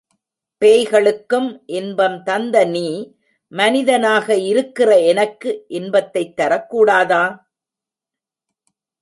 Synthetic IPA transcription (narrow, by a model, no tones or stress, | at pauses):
peːjɣɐɭɯkːɯmʔɛnbɐmt̪ɐnd̪ɐniː | mɐnɪðɐnaːɣɐɪɾɯkːɪrɐɛnɐkːɯʔɪnbɐt̪ːɐɪt̪ːɐɾɐkːuːɽaːðaː